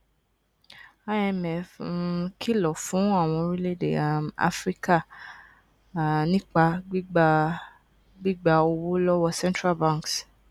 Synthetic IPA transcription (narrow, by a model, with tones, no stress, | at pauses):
a˧ɛ˧mɛ˨fkʰi˦lɔ˨fũ˨˦a˦˨w̃ɔ̃˧ɾi˦le˦˨dḛ˨a˨ma̰˦fɾi˦ka˦˨ | nĩ˦k͡pa˧˦ | ɡ͡bi˦ɡ͡ba˧o˧wo˦lɔ˦wɔ˧sɛ̃˦ntɾa˦˨bã˦˨ks